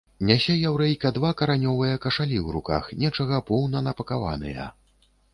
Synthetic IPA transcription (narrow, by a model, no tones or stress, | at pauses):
nʲasʲɛjawɾɛjkɐd̪vakɐɾanʲɔvɨjɐkɐʂalʲiwɾuka̰xnʲɛt͡ʂɐɣɐpɔwnɐnɐpɐkava̰nɨ̰jɐ̰